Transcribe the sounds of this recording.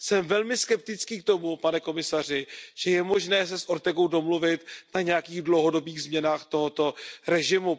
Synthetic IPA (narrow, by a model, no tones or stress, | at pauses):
sɛmvɛlmɪskɛp̚t̪ɪt͡skiːk̚t̪o̞mupanɛko̞mɪsar̝ɪʒ̥ɛjɛmo̞ʒnɛːsɛsʔo̞ɾt̪ɛɡo̞wdo̞mluvɪt̪naɲɛjakiːɣdlowɦo̞do̞biːɣzmɲɛnaːxt̪o̞ɦot̪o̞ɾɛʒɪmu